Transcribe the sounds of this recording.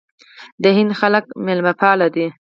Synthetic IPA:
d̪əhɪnd̪xalək̚mɪlmapɑlad̪i

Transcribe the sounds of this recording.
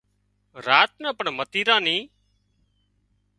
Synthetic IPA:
ɾaːt̪̚nəːpəɳmət̪iːɾãːnĩː

